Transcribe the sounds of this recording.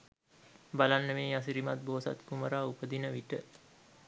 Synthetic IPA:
balanːəmeːas̬iɾimat̪̚boːsa̰t̪kuməɾaːupəd̪inəʋiʈə

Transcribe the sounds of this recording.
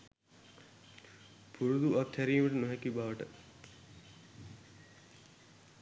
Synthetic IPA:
pʰuɾud̪uat̪hæɾiːməʈənoɦɛkibaʋəʈə

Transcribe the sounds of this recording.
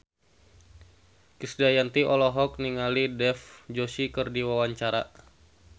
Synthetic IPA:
kisdajant̪iʔɔlɔɦɔk̚niŋalidɛfd͡ʒosikərdiwawaɲt͡ʃaɾa̰

